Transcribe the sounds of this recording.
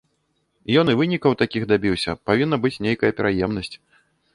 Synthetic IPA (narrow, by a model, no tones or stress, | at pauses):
jɔnɨvɨnʲikɐwt̪akʲixd̪abʲiwsʲɐ̰pavʲinːɐbɨt͡sʲnʲejkɐjɐpʲɛɾʔajɛmnɐsʲt͡sʲ